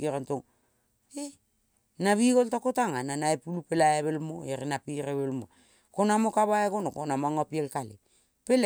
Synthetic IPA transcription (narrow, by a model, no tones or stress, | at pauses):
iɾantoŋ | e | naβikoltakotaŋananaepulupelajaβelmo̰eɾinapiɾeβelmo̰ | konamokaβaekonokonamoaŋapielkalḛ | pel